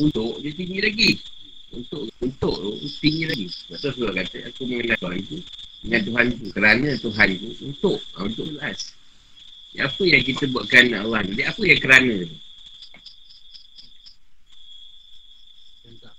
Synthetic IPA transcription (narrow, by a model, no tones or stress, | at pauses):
unt̪ʊʔdit̪iɲilaɡi | unt̪ʊʔunt̪ʊʔt̪ṵt̪inilaɡisaʔt̪as̬ulakat̪əakuməŋənat̪uant̪udəŋant̪uɦant̪ukəɾanət̪uɦant̪uunt̪ʊʔunt̪ʊʔəlʔas | dḭapəjaŋk̬it̪əbuaʔkəanaalahnidiapəjaŋkəɾanə̃t̪u